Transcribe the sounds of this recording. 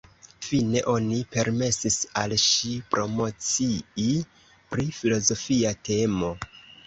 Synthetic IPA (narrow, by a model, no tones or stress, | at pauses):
fine̞ʔo̞nipe̞ɾme̞sisalʃipɾo̞mo̞t͡sii | pɾifilo̞zo̞fiate̞mo̞